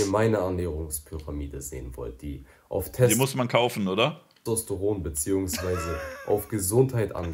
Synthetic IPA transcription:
əɐmaɪnəʔanːɛːʁʊŋspʰyʁamiːdəzḛːənvɔ̰lt̚d̥iː | ʔa̰ʊftʰɛdimʊsmankʰaʊfn̩oːdɐ | ɔstoʁoːnbət͡siːʊŋsv̥aɪzəʔa̰ʊfɡ̥əzʊnthaɪtʔa̰n

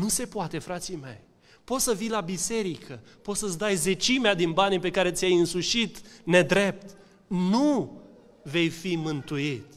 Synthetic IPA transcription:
nuse̞poat̪e̞fɾat̪sime̞̰j | po̞t̪səvijlabise̞ɾikʰə | po̞t̪səsd̪ajze̞t͡ʃimead̪inbanipe̞kaɾe̞t̪sʲjajɨnsuʃit̪ne̞d̪ɾe̞p̚t̪ | nu | ve̞jfimɨnt̪ujit̪

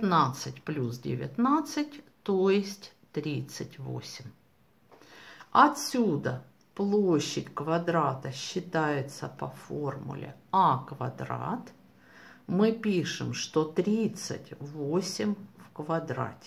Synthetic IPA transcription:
t̪nat̪sɨtʲplʲusdʲɪ̰vʲɪ̰t̪nat̪sɨt̚ʲt̪ojɪsʲtʲ | t̪ɾʲit̪sɨtʲvo̰sʲɪmʲ | ɐt̪sʲud̪ə | plˠoɕːɪtʲkvɐd̪ɾat̪əɕːɪt̪ajɪt̪səpɐformʊ̰lʲɪ̰akvɐ̰d̪ɾa̰t̪ | mɨpʲiʂɨmʂt̪o̞t̪ɾʲit̪sɨ̰tʲvosʲɪmʲfkvɐd̪ɾa̰tʲɪ̥

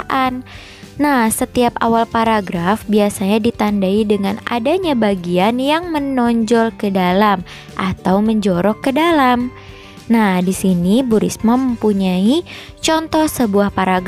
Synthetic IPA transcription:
ʔanː | ahsət̪iapa̰walpaɾaɡɾafbiasaɲadit̪andaidəŋana̰daɲabaɡianjaŋmənɔɲd͡ʒɔlkədalam | ʔat̪awməɲd͡ʒɔɾɔkːədalam | nahdisinibuɾḭsməməmpuɲai | t͡ʃɔnt̪ɔhsəbuahpaɾaɡ

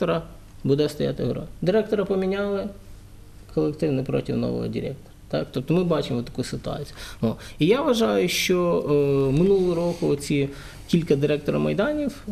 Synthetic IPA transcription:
t̪ɔɾɐ | bud̪ɛst̪ɐja̰t̪ɪɦɾo̰nʲd̪ɪɾɛk̚t̪ɔɾɐpɔmʲɪnʲalˠɪ | kʰɔlˠekt̪ɪʋnɪpɾo̰tʲiwno̰ʋo̰ɦɔ̰dʲḭɾʲɛ̰k̚t̪ɔ̥ɾɐt̪ak̚t̪op̚t̪ɔmɪbɑt͡ʃɪmʋɔt̪ːɐ̥kujsɪt̪ʊɑ̰t͡sʲijʊnoijaʋɐʒɑjʊʃt͡ʃɔ | mɪnulˠʊɾokʊɔt͡sʲi | kʲilʲkɐd̪ɪɾɛkt̪ɔɾɐ̰mɐ̰jd̪ɑnʲif

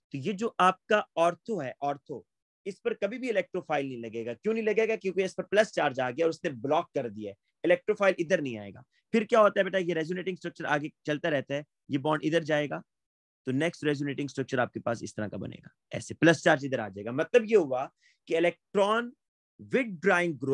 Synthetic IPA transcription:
t̪ojed͡ʒoːʔaːp̚kaɔːɾt̪ʰoɦɛʔɔːɾt̪ʰo | ɪspɐɾkɐbʱibʱiɪlɛːk̚ʈɾofʰaːɪlnɐɦĩlɐɡeːɡakjõːnɐɦĩlɐɡeːɡakjõːkeɪspɐɾplɐst͡ʃaːɾd͡ʒaːɡjaɔɾʊsneblɔːkːɐɾd̪iaɛː | ɪlɛːk̚ʈɾoːfʰaːɪlɪd̪əɾnɐɦĩa̰ːḛːɡa̰ː | pʰɪɾkjaːɦoːt̪aɦɛbeːʈaɦɛjeɾɛːzjuneːʈɪ̃ŋsʈɾɐk̚t͡ʃəɾaːɡet͡ʃɐlt̪aɾɛɦt̪aɦɛː | jebɔːɳɪd̪əɾd͡ʒaːeːɡaː | t̪onɛːksʈɾɛːzjuneːʈɪ̃ŋsʈɾɐk̚t͡ʃəɾaːp̚kepaːsɪ̰st̪ɐɾãkabɐ̰nḛːɡa̰ːɛ̰ːseplɐst͡ʃaːɾd͡ʒɪd̪əɾa̰ːd͡ʒaːeːɡamɐt̪ləbjeɦʊa | keɪlɛːk̚ʈɾɔːn | ʋɪɖ̚ɖɾaːɪ̃ŋɡ̚ɡɾoː

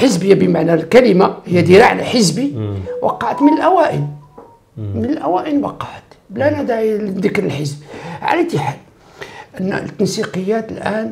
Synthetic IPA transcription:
ħəzbəjːabəmaʕnælkæləmahəjːæd̪iɾaʕlæħəzbiwɑ̰qːɑʕət̪mənəlʔæwæʔə̰n | mənəlʔæwæʔənwɑqɑʕət̪blænæd̪aʕid̪əkɾəlħəzbʕa̰læt̪ːiħal | ʔən̰ːt̪ːənsiqəjːæt̪əlʔæn

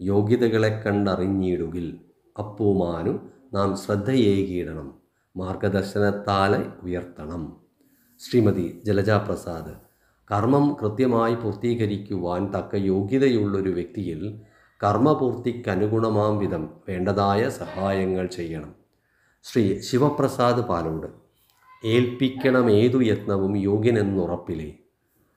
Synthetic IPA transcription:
jo̞ːɡjɐðɐɣɐɭe̞kːɐɳɖɐriɲːiːɽuɣil | ɐpːuːmaːnunaːmɕrɐd̪ʱːɐjeːjkiːɽɐɳɐmː | aːrɡɐd̪ɐrɕɐnɐt̪ːaːlɐujɐrt̪ːɐɳɐm | ɕriːmɐd̪id͡ʑelɐd͡ʑaːprɐsaːd̪ɐ | kɐrmɐmkrɨt̪jɐmaːjipuːrt̪iːɣɐɾikʲːuʋaːnt̪ɐkːɐjo̞ːɡjɐðɐjuɭːo̞ɾuʋjek̚t̪ijil | kɐrmɐpuːrt̪ikʲːɐnuɡuɳɐmaːmʋid̪ʱɐmʋe̞ːɳɖɐðaːjɐsɐhaːjɐŋːɐɭt͡ɕe̞jːɐɳɐm | ɕriːɕiʋɐprɐsaːd̪ɨpa̰ːloːɽɨ | e̞ːlpikʲːɐɳɐme̞ːðujɐt̪nɐʋumjo̞ːɡjɐne̞nːurɐpːilḛ

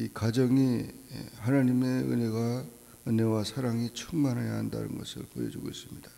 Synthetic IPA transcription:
ikad͡ʑʌŋi | hanaɲime̞ɯ̰ne̞ɡa | ɯnewasʰaɾaŋit͡ɕʰuŋmanɦajaɦanda̰nɯ̰nɡʌ̰sʰɯ̰ɭpojʌ̰d͡ʑuɡois͈ɯmɲida

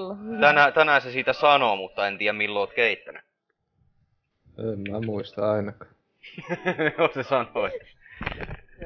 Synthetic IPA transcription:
t̪ænæt̪ænæsesiːt̪æsɑnomut̪ːɑent̪iːjæmmilːoːt̪keit̪ːæny | emmæmuist̪ɑɑinɑkɑ̥ | josesɑnoet̪ː

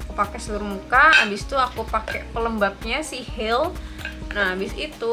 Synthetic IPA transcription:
upakɛsəluɾmukaːbɪst̪uakupakɛʔpələmbat̚ɲasihɪlnaabɪsḭt̪u

